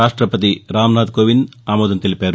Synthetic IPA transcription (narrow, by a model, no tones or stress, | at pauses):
aːʂʈɾɐpɐt̪iɾaːmnaːd̪̚koːʋinaːmɔːd̪ɐnt̪elipʲaːɾ